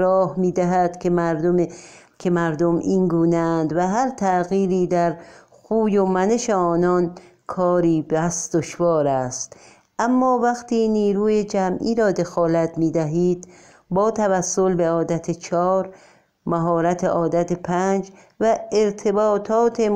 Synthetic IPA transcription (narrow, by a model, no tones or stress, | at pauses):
ɾɒːhmiːd̪æɦæd̪̥kʰʲemæɾd̪o | kʰemæɾd̪omiːŋɡuːneænd̪væɦæɾt̪ʰæɣiːɾiːd̪æɾ | xuːjomæne̞ʃeɒːnɒn | kʰɒːɾiːbæsd̪̥oʃvɒːɾæst̪ | ʔæmːɒːvæxt̪ʰiːniːɾuːjed͡ʒæmʔiːɾɒːd̪e̞xɒːlæt̪ʰmiːd̪æɦiːd̪ | bɒːt̪ʰævæsːolbeɒːd̪æt̪ʰet͡ʃʰɒːɾ | mæɦɒːɾæt̪ʰeʔɒːd̪æt̪ʰepʰænd͡ʒ | væeɾt̪ʰe̞bɒːt̪ʰɒːt̪ʰe